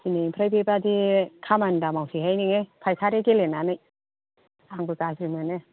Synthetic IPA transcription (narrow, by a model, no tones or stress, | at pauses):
sinejpʰɾajpʰebadikʰamandamawsʰihajniŋejpʰajkʰaɾeɡelenanɯj | aŋbɯkasɾinɯne